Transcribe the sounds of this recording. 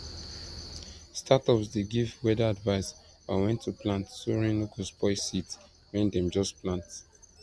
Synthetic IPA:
statɔpsdeɡivwɛdaadvaɪs | bawɛ̃ntʰːuplãntsoɹĩnlokɔspɔɪsits | wɛ̃ndɛ̃md͡ʒɔsplãnt

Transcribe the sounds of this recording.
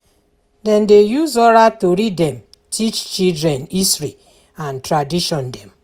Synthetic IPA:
dɛ̃ndejuzɔɾatoɾidɛ̃m | tʰit͡ʃt͡ʃildɹɛ̃nisɹi | ãntɹadiʃɔ̃ndɛ̃m

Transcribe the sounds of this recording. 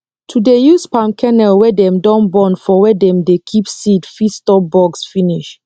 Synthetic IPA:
tʰudejuspãmkʰɛnɛlwɛdɛ̃mdɔ̃nbɔ̃nfɔwɛdɛ̃mdekʰipsidfistɔp̚bɔɡsfiniʃ

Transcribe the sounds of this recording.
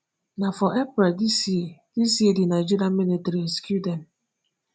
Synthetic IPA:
nafɔʔepɾedisid̥isidinaɪd͡ʒiɾiaminitɾiskudɛn̩

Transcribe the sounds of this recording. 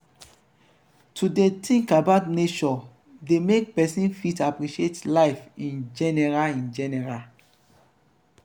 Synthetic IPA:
tʰudetĩŋkabaʊtnet͡ʃɔ | demek̚pɛsĩnfitapɹiʃietlaɪfĩnd͡ʒɛnɛɹaĩnd͡ʒɛnɛɹal

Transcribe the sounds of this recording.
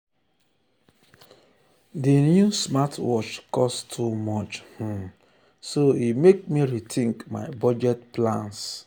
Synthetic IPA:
dinjusmatwɔt͡ʃkɔsttʰumɔt͡ʃh̩ | soimek̚miɹitʰĩŋkma̰ɪbɔd͡ʒɛtplãns

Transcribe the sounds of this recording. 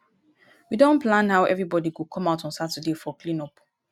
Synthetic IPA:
widõnplãnhaʊʔɛvɹibɔdiɡukʰɔ̃maʊtɔ̃nsatədefɔklĩnɔp

